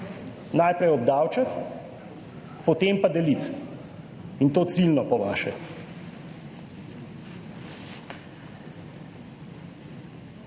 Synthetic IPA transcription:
najpɾɛjɔb̚d̪aːwt͡ʃat̪ | pɔt̪eːmpad̪ɛlit̪ | int̪oːt̪silnɔpɔʋaːʃɛ

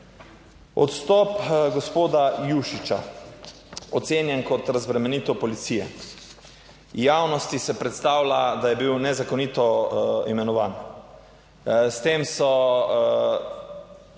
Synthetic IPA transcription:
ɔ̰t̪st̪ɔpɡospoːd̪ajuʃit͡ʃa | ɔt̪seːnjɛnkɔt̪ɾazbɾɛmɛniːt̪opɔlit̪siːjɛ | jaːwnɔst̪isɛpɾɛt̪st̪aːwlad̪ajɛbiwnɛzakoniːt̪ɔimɛnɔʋaːn | st̪eːmsɔ

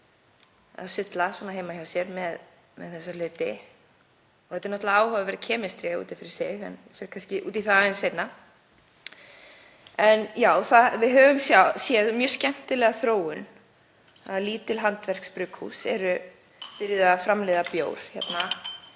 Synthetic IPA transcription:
a̰ðsʏt̪laswɔːnaɦejmaçawsjɛɾmɛð | mɛ̰ðθɛsːal̥ʏːt̪ɪ | ɔθɛt̪ɛɾnɔt̪laaːwhɔvɪvɛɾcʰɛːmɪst̪ɾɪṵːt̪ɪfɪɾɪ̥seɛ̰nfɛɾ̥kʰanscɪʔuːt̪iθaaɛnset̪na | ɛnjaːwθavɪðɦœːvʏmsjasjɛðmjœːɾ̥scɛm̥t̪ɪlɛːɣaθɾoːwʏn | a̰ðliːt̪ɪlɦant̪vɛr̥kspɾʏːkhṵsɛ̰ɾʏ | pɪɾɪðafɾamlɛːðapjo̰ːwɾ̥çɛt̪na

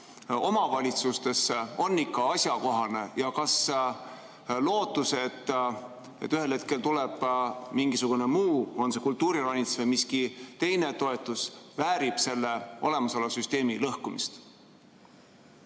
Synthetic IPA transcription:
o̞mɑvɑlʲit̪sust̪e̞so̞nːikːˑɑɑsʲjɑko̞ɦɑne̞jɑkɑs | lo̞ːt̪ːˑuse̞t̪ː | e̞̰t̪ːyɦe̞lhe̞t̪̚ke̞lt̪uleb̥miŋɡ̥isuɡ̥unemuːo̞nse̞kult̪ːuːɾirɑnʲit̪svemiskit̪e̞jne̞t̪o̞e̞t̪ːˑusvæːɾib̥se̞lːe̞o̞̰le̞mɑsolɑsyst̪e̞ːmilɤhkumḭst̪

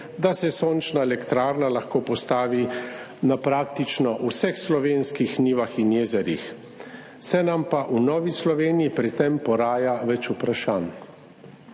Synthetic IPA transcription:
d̪asɛsoːnt͡ʃnaɛlɛkt̪ɾaːɾnalaxkoːpɔst̪aːʋi | napɾaːkt̪it͡ʃnɔʔusɛxslɔʋenskixniːʋaxinjeːzɛɾjḭx | sɛnampaʔunɔːʋislɔʋeːnijipɾit̪ɛmpɔɾaːjaʋɛt͡ʃupɾaʃaːn

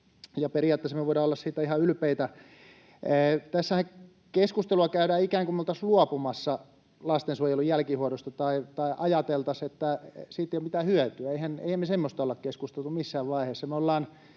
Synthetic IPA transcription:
jɑperiɑːt̪ːesemeʋoˑiɾɑːolːɑssiːt̪ːæihɑylpeit̪æ | t̪æsːæhæ | keskust̪eluɑkæyɾæːikæːŋkumeolt̪ɑsluɑpumɑsːɑ | lɑst̪ensuojelujælkihuoɾost̪ɑt̪ɑit̪ɑiʔɑjɑt̪elt̪ɑset̪ːæsiːt̪eijomit̪æːhyøt̪yæeihænḛihæmːesemːost̪ɑolːɑkkeskust̪elt̪umisːæːʋʋɑiheːsːɑmeolːɑːn

